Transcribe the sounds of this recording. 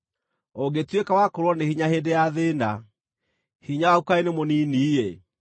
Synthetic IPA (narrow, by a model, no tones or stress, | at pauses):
oɡetwekawakoɾwɔnehiɲahedejaðeːna | hiɲaukaenemoniːnije